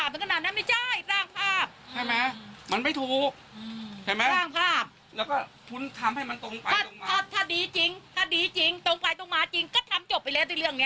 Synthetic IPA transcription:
aː˨˩mt̪ːknaː˨˩na˦˥ma˥˩t͡ɕa˥˩jɾaː˧˥˩ŋpʰaː˥˩p̚t͡ɕʰa˥˩jmɛ˦˥ma˧nma˥˩jt̪ʰuː˨˩k̚t͡ɕʰa˥˩jmɛ˦˥ɾaː˥˩ŋpʰaː˥˩p̚ | lɛː˦˥wkɔː˥˩kʰu˦˥nt̪ʰa˧mha˥˩jma˧nt̪o˧ŋpa˧aː˧˥˩ŋːʰ˦aː˥˩t̪ʰːaː˥˩diː˧t͡ɕi˧ŋt̪ʰaː˥˩diː˨˧t͡ɕi˧ŋt̪o˧ŋpa˧jt̪o˧ŋmaː˧˥t͡ɕi˧ŋkɔː˥˩t̪ʰa˧mt͡ɕo˨˩p̚ːa˧lɛː˦˥˩wt̪ʰiː˧˥lɯ˥˩əŋːi˦˥

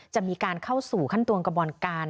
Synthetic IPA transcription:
t͡ɕa˨˩miː˧kaː˧nkʰa˥˩wsuː˨˩kʰa˥˩nt̪u˧ənka˧bɔː˧nkaː˧n

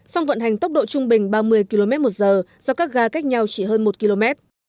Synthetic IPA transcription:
sɔ˧wŋ͡mvə̰˧˨nɦa˨˩jŋt̪ə˦˥k͡p̚ɗo̰˧˨t͡ɕʊ˧ŋ͡mɓï˨˩ŋ̟ɓaː˧mɨ˧əjki˧lo˧mɛ˦˥t̚mo˨˩t̚zəː˨˩zɔ˧kaː˦˥k̚ɣaː˧ka˦˥jk̚ɲa˧wt͡ɕi˧˩ɦəː˧nmo˨˩t̚ki˧lo˧mɛ˦˥t̚

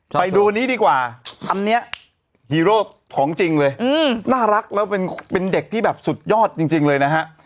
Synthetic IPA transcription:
pa˧jduː˧niː˦˥diː˧kwaː˨˩t̪ʰa˧nːi˦˥ɐʔ | hiː˧ɾoː˥˩ | t̪ʰɔː˩˦ŋt͡ɕi˧ŋlɤː˧jnaː˥˩ɾa˦˥k̚lɛː˦˥wpe˧npe˧nde˨˩k̚t̪ʰiː˥˩bɛː˨˩p̚su˨˩t̪̚jɔː˥˩t̪̚t͡ɕi˧ŋt͡ɕi˧ŋlɤː˧jna˦˥kʰa˦˥ʔ

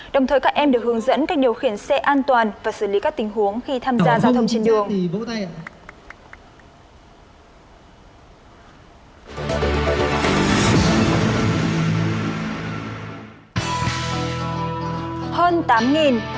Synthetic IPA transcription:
ɗə˨˩wŋ͡mt̪ʰəː˨˩jkaː˦˥k̚ʔɛ˧mɗɨ˨˩ək̚hɨ˨˦əŋzə̰˧˥nkaː˦˥k̚ɗi˨˩əwxi˧˩ənsɛ˧ʔaː˧nt̪waː˨˩nvaː˨˩sɨ˧˩li˨˦kaː˦˥k̚t̪ï˨˩ŋ̟ɦu˨˦əŋxi˧t̪ʰaː˧mzaː˧zaː˧wt̪ʰə˧ŋ͡mt͡ɕe˧nɗɨ˧˨˩əŋ˨vo̰˧˥t̪a˧j | həː˧nt̪aː˨˦mŋi˨˩n

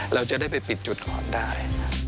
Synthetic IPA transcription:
ɾa˧wt͡ɕa˨˩ʔdaː˥˩jpa˧jpi˨˩t̪̚t͡ɕu˨˩t̪̚kʰɔ̰ː˨˩ndaː˥˩j

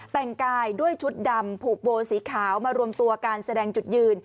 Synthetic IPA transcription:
t̪ɛ˨˩ŋkaː˧jdu˥˩əjt͡ɕʰu˦˥t̪̚da˧mpʰuː˨˩k̚boː˧siː˩˦kʰaː˩˦wmaː˧ɾu˧əmt̪u˧ɐkaː˧nsa˧dɛː˧ŋt͡ɕu˨˩t̪̚jɯː˧n

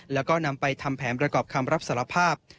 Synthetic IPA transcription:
lɛː˦˥wkɔː˥˩na˧mpa˧jt̪ʰa˧mpʰɛː˩˦npɾa˧kɔː˨˩p̚kʰa˧mɾa˦˥p̚saː˩˦la˧pʰaː˥˩p̚

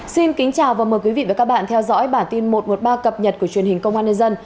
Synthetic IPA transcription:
si˧nkï˨˦ŋ̟t͡ɕaː˨˩wvaː˨˩məː˨˩jkwi˨˦vḭ˧˨vaː˨˩kaː˦˥ɓa̰ː˧˨nt̪ʰɛ˧wzɔ̰˧˥jɓaː˧˩nt̪i˧nmo˨˩t̚mo˨˩t̚ɓaː˧kə˨˩p̚ɲə˨˩t̚ku˧˩ət͡ɕwi˨˩ənhi˨˩ŋ̟kə˧wŋ͡mwaː˧nə˧jzə˧n

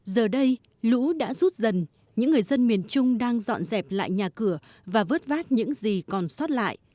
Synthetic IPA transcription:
zəː˨˩ɗə˧j | lṵ˧˥ɗa̰ː˧˥zu˦˥t̚zə˨˩n | ɲɨ̰˧˥ŋːɨ˨˩əjzə˧nmi˨˩ənt͡ɕʊ˧ŋ͡mɗaː˧ŋzɔ̰˧˨nzɛ˨˩p̚la̰ː˧˨jɲaː˨˩kɨ˧˩ə | vaː˨˩vəː˦˥t̚vaː˦˥t̚ɲɨ̰˧˥ŋzi˨˩kɔ˨˩nsɔ˦˥t̚la̰ː˧˨jʔ

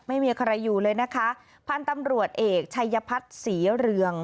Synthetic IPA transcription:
ma˥˩jmiː˧kʰa˧ɾa˧jːuː˨˩lɤː˧jna˦˥kʰa˦˥ | pʰa˧nt̪a˧mɾu˨˩ət̪̚ʔeː˨˩k̚t͡ɕʰa˧jːa˧pʰa˦˥t̪̚siː˩˦ɾɯ˧əŋ

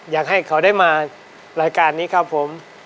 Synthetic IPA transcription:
jaː˨˩k̚ɦa˥˩jkʰa˦˥wdaː˥˩jmaː˧ | ɾaː˧jkaː˧nːiː˦˥kʰɾa˦˥pʰːo˨˩˦m

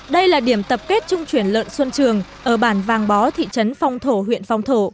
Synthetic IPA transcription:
ɗə˧jlaː˨˩ɗi˧˩əmt̪ə˨˩p̚ke˦˥t̚t͡ɕʊ˧ŋ͡mt͡ɕwi˧˩ənlə̰ː˧˨nswə˧nt͡ɕɨ˨˩əŋʔəː˧˩ɓaː˧˩nvaː˨˩ŋɓɔ˨˦t̪ʰḭ˧˨t͡ɕə˨˦nfa˧wŋ͡mt̪ʰo˧˩ɦwḭ˧˨ənfa˧wŋ͡mt̪ʰo˧˩

